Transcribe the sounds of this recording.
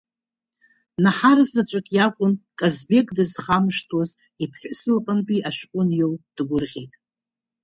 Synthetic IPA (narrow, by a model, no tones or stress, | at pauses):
naħaɾɨzat͡ʃʷʼɨkʼjakʷʼʊnkʼazbe̞kʼdɨzχamʂtʰwoz | ipʰħʷᶣʊsɨlqʼanpʼiʔaʃᶣkʷʼʊnjowd̥ɡʷʊrʁʲejtʼ